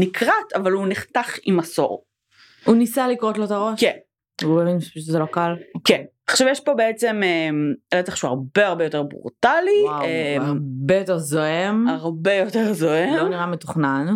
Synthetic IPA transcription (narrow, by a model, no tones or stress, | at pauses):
nikʰʁatʰavaluniχtaχimaso̰ʁ | hunisalikʁot̪lot̪aʁoʃken | ubevinʃepaʃutzelo̞kalkenaχʃavjɛʃpo̞beet͡sememeletaχʃua̰ʁbeaʁbe̞jo̞teʁbʁṵʁtalieabejoteʁzoemaʁbejo̞teʁzoemniʁametuχnan